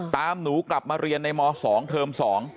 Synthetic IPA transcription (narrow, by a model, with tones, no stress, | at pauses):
t̪aː˧mnuː˩˦kla˨˩p̚maː˧ɾi˧ənːa˧jmɔː˧sɔː˩˦ŋt̪ʰɤː˧msɔː˩˦ŋ